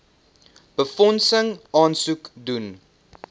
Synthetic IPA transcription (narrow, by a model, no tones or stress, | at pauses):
b̥əfɔnsəŋɑːnsukdun